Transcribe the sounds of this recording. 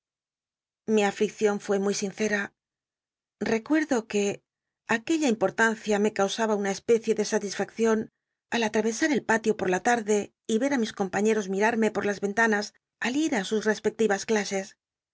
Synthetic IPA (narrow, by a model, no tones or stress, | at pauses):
miaflik̚θjo̞ɱfwe̞mujsinθe̞ɾa | re̞kwe̞ɾðo̞ke̞ | ake̞ʎaimpo̞ɾt̪anθjame̞kawsaβaunae̞spe̞θje̞ðe̞sat̪isfakθjo̞n | alat̪ɾaβe̞saɾe̞lpat̪jo̞po̞ɾlat̪aɾðe̞ | iβe̞ɾamisko̞mpaɲe̞ɾo̞zmiɾaɾme̞po̞ɾlazβe̞nt̪anas | aliɾasusre̞spe̞k̚t̪iβasklase̞s